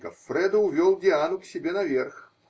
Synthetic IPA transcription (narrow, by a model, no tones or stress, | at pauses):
kɐ̰fɾɛd̪ɐwvʲɔlˠdʲɪanʊksʲɪbʲenɐvʲɛrx